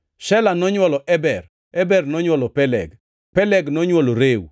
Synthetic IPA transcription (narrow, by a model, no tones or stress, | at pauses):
ʃɛlanɔɲwɔlɔʔɛbɛr | ɛbɛrnɔɲwɔlɔpɛlɛ̰ɡ | pɛlɛɡnɔɲwoloɾew